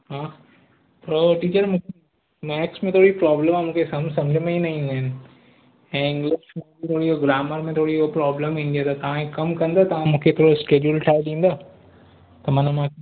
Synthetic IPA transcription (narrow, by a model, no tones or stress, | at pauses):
ɦãː | pɾoʈiːt͡ʃəɾmũ | mɛːksmẽt̪ʰoːɽipɾɔːbləmãmũːkʰesɐmsɐ̃md͡ʑʱmẽinɐĩːnd̪aɦɪn | ɛ̃ːɪ̃ŋɡlɪksmẽit̪ʰoːɽioɡɾaːməɾmẽt̪ʰoːɽiopɾɔːbləmɦĩːnd̪iet̪at̪ɐʋãikɐmkɐ̃nd̪at̪ɐʋ̤ãmũːkʰet̪ʰoːɽoskeːd͡ʒulʈʰaːɪɗĩːnd̪aː | t̪ɐmɐnmã